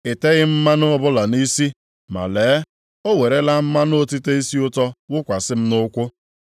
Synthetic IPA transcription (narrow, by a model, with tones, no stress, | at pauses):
ɪ˨te˦ɣɪ˦m̩˦ma˦nʊ˦ɔ˦bʊ˦la˨ni˦si˦ | ma̰˨leː˨˦ | o˦we˨ɾe˦la˦m̩˦ma˦nʊ˦o˦ti˦te˦i˦si˦ʊ˦tɔ˦wʊ˦kʷa˨sɪ˦m̩˦nʊ˦kʷʊ˦